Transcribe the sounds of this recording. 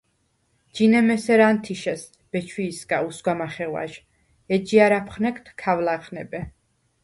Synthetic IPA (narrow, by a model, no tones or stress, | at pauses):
d͡ʒinɛmɛsɛɾant̪ʰiʃɛs | b̥ɛt͡ʃʰwiːskʼausɡwamaχɛwa̰ʃ | ɛd͡ʒiaɾapʰχnɛkʰt̪ʰkʰːavlaχʰnɛbɛ